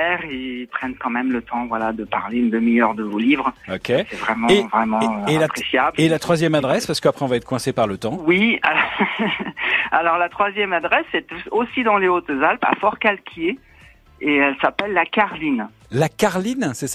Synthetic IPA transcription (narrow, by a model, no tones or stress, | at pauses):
ɛʁipχɛnkɑ̃mɛmlət̪ɑ̃vwalad̪əpaʁleynd̪əmiœʁd̪əvolivʁɔkʰʲesɛvʁɛmɑ̃vʁɛmɑ̃eɛlapχesjablelat̪χwazjɛmad̪ʁɛspaʁsə̥kəapχɛɔ̃vaɛt̪χkwɛ̃sepaʁlət̪ɑ̃wiaɔ | alɔʁlat̪χwazjɛmad̪ʁɛsɛt̪osid̪ɑ̃leot̪zalpa̰fɔʁkalkʲʰje | eɛlsapɛlːakaʁlin | lakaʁlinsɛsa